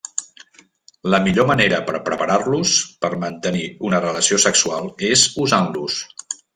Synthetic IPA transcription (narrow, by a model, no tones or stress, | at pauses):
ləmiʎoməneɾəpəɾpɾəpəɾarluspəɾmənt̪əniunərələsiosəksualˠezuzanlus